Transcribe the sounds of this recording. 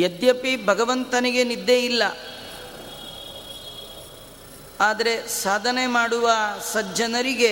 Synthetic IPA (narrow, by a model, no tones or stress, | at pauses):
jed̪jɐpibʱɐɡɐʋɐnt̪ɐniɡe̞nid̪ːejilːɐ | aːd̪ɐɾe̞saːd̪ʱɐne̞maːɽuʋɐsɐd͡ʒɐnɐɾiɡe̞